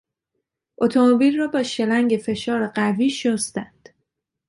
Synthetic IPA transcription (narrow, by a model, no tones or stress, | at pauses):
ʔot̪ʰo̞mobilrɒːbɒːʃe̞læŋɟe̞fe̞ʃɒːɾeɢæviːʃost̪ænd̪̥